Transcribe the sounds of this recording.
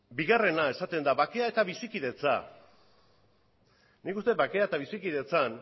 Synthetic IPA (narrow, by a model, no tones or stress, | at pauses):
biɣare̞nae̞sat̪e̞nd̪aβake̞ae̞t̪aβisikið̞e̞t͡sa̰ | nikust̪e̞bake̞aet̪aβ̞isikiðe̞t͡san